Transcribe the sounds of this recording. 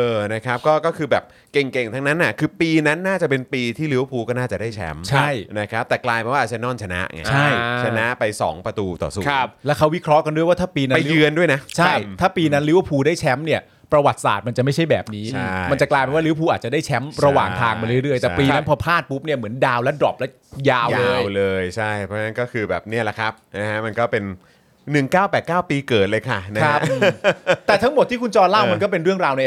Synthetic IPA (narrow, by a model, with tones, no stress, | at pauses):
ʔɤː˧na˦˥kʰa˦˥p̚kɔː˥˩kɔː˥˩kʰɯː˧bɛː˨˩p̚ | ke˨˩ŋke˨˩ŋt̪ʰa˦˥ŋna˦˥nːʔa˨˩kʰɯː˧piː˧na˦˥nːaː˥˩t͡ɕa˨˩pe˧npiː˧t̪ʰiː˥˩li˦˥wpʰuː˧kɔː˥˩naː˥˩t͡ɕa˨˩da˥˩jt͡ɕʰɛ̰˦˥mt͡ɕʰa˥˩jna˦˥kʰɾa˦˥p̚t̪ɛː˨˩klaː˧jpe˧nwa˥˩ʔ̚ːt͡ɕa˨˩nɔː˥˩nt͡ɕʰa˧na̰˦˥ʔŋa̰˧˩t͡ɕʰa˥˩jt͡ɕʰa˧na˦˥pa˧jsɔ̰ː˩˦ŋpɾa˧t̪uː˧t̪ɔ̰ː˨˩suː˨˦lɛː˦˥kʰa˦˥wi˦˥kʰɾɔ˦˥ʔka˧ndu˥˩əjwaː˥˩aː˥˩piː˧na˦a˧jɯ˧əndu˥˩əjna˦˥t͡ɕʰa˥˩jt̪ʰaː˥˩piː˧na˦˥nli˦˥wpʰuː˧daː˥˩jt͡ɕʰɛ˦˥mni˥˩ɐ | pɾa˧wa˨˩t̪̚sa̰ː˨˩t̪̚ma˧nt͡ɕa˨˩ma˥˩jʰt͡ɕʰa˥˩jbɛ̰ː˨˩p̚niː˦˥ma˧t͡ɕa˨˩klaː˧pe˧nwaː˥˩lɯ˦˥wpʰuː˧ʔaː˨˩t̪t͡ɕa˨˩daː˥˩jt͡ɕʰɛ˦˥mɾa˧waː˨˩ŋt̪ʰaː˧ŋpa˧nɾɯ˥˩ɾɯ˥˩əjt̪ɛː˨˩piː˧na˦˥npʰɔː˧pʰlaː˥˩t̪̚pu˦˥p̚ni˥˩ɐmɯ˩˦əndaː˧wlɛ˦˥dɔ̰˨˩p̚lɛ˦˥ | jaː˧wːjlɤː˧jt͡ɕʰa˥˩jpʰɾɔ˦˥na˥nkɔː˥˩kʰɯː˧bɛ̰ː˨˩p̚ni˥˩ɐla˨˩kʰɾa˦˥p̚na˦˥kʰa˦˥ma˧nkɔː˥˩pe˧n | nɯ˨˩ŋkaː˥˩wpɛː˨˩t̪̚kaː˥˩wpiː˧kɤː˨˩t̪̚lɤː˧jkʰa˥˩na˥ka˦˥p̚ː | t̪ɛː˨˩t̪ʰa˦˥ŋmo˨˩t̪ʰːiː˥˩kʰu˧nt͡ɕɔː˧nla˥˩wm˧nkɔː˥˩pe˧nɾɯ˥˩əŋɾaː˧wni˥˩˨